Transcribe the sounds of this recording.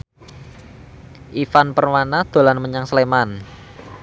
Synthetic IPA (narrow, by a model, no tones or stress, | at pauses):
ʔifanpərmanad̪̥o̤lanməɲaŋsleman